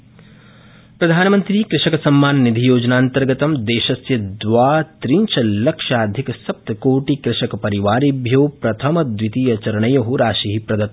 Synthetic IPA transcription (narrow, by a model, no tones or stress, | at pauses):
pɾɐd̪ʱaːnɐmɐnt̪ɾiːkɾɪʂɐkɐsɐmːaːnnid̪ʱijoːd͡ʒɐnaːnt̪ɐɾɡɐt̪ɐmd̪eːʃɐsjɐd̪ʋaːt̪ɾiɲt͡ʃʰɐlɐkʂaːd̪ʱikɐsɐp̚t̪koːʈikɾɪʂɐkɐpɐɾiʋaːɾibʱjoːpɾɐt̪ʰɐmɐd̪ʋit̪ijɐt͡ʃɐɾɐɳɐjɐɦuɾaːʃiɦipɾɐd̪ɐt̪